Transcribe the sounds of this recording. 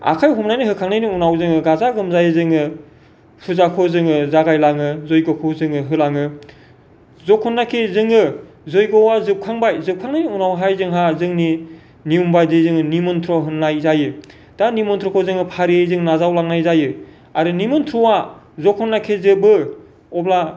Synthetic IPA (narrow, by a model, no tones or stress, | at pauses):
a̰kʰajɦumnajniɦɯkʰaŋnajniunawzɯŋɯɡazaɡɯmzajɯzɯŋɯ | pʰuzakʰɔzɯŋɯzaɡajlaŋɯzɔjɡɔkʰɔwzɯŋɯɦɯlaŋɯ | zɔkhɯnːakʰezɯŋɯ | zojɡɔwazɯp̚kʰaŋbajzɯp̚kʰaŋnajniunawɦajzɯŋɦazɯŋni | niumbajdɯzɯŋɯnimɯnt̪ʰɾɔɦɯnːajzajɯ | d̥animɔntʰɾɔkʰɔzɯŋɯpʰaɾijejzɯŋnazawlaŋnajzajɯ | aɾɯnimɯntʰɾɔwa | zɔkʰɔnːakʰezɯbɯ | ɔbla